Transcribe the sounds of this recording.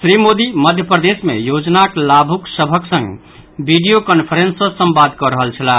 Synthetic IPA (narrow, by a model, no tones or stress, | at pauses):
sɾimod̪iməd̪ʱjəpɾəd̪esmḛjod͡ʒnaklabʱuksəbʱəksə̃ŋɡ | biɖijokənpʰəɾensəsə̃mbad̪kɔɾəɦəlt͡ʃʰəla